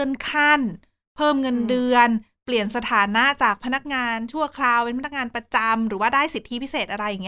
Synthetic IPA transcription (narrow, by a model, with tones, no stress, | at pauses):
ɯ˧nkʰa˥˩n | pʰɤː˥˩mŋɤ˧ndɯ˧ən | pli˨˩ənsa˧t̪ʰaː˩˦na˦˥ʔt͡ɕaː˨˩k̚pʰa˧na˦˥k̚ŋaː˧nt͡ɕʰu˥˩ɐkʰlaː˧wpe˧npʰa˧n˦˥k̚ŋaː˧npɾa˧t͡ɕa˧mɾɯː˩˦waː˥˩daː˥˩jsi˨˩t̪ʰːi˦˥pʰi˦˥seː˨˩t̪̚ʔa˧ɾa˧jːa˨˩ŋ˦˥